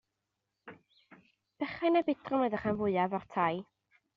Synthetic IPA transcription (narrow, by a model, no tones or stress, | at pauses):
b̥ɛχajnabɪtrɔmədaχanvʊɨavɔrtʰaj